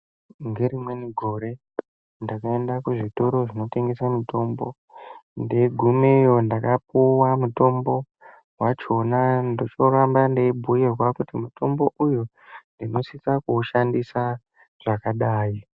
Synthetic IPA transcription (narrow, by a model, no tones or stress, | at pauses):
ŋɡe̞ɾimwe̞niɡʱo̞ɾe̞ | ndakae̞ndakuʐito̞ɾo̞ʐino̞te̞ŋɡe̞samito̞mbo̞ | nde̞ɡʱumejo̞ndakap̚uwamuto̞mbo̞ | ɦwat͡ʃo̞nandot͡ʃoɾambandeibʱujerwakutimuto̞mbo̞ʔuju | ndino̞sit͡sakuːʃandisa | ʐ̥akaɗaːji